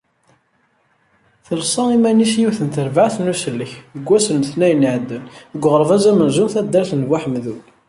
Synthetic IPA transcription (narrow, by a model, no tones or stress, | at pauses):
θəlsˤɑimænisjiwθənt̪əɾvaʕθnusəlːəçəɡʷːæsənθnæjəniʕəd̪ːənəɡʷːʁəɾˤvæzæmənzunθæd̪ːæɾθənwaħəmðul